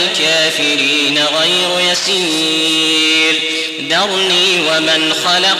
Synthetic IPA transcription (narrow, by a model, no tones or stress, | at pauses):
lkaːfɪɾiːnaɣajɾʊjasi | l | d̪ɑɾˤniːwamɪnxɑlɑq